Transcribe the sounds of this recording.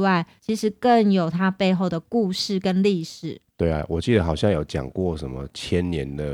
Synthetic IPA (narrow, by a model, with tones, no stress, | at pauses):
wa˥˩ɪt͡ɕʰi˧˥ʂɻ̩˧˥kə˥˨ŋjo˨˩ʊt̪ʰa˥pe˥˧ɪxo˥˩ʊd̪ə˩ku˥˧ʂɻ̩˥˩kə˦nli˥˧ʂɻ̩˨˩t̪we˥˩ɪa̰˨˩wɔ˨˩t͡ɕi˥˩d̪ə˩xɑ˨˩ʊɕjɑ˥˧ŋjo˨˧˥ʊt͡ɕjɑ̰˨˩ŋkwɔ˥˨ʂə˧˦nmə˧t͡ɕʰjɛ˦nnjɛ˧˦nd̪ə˨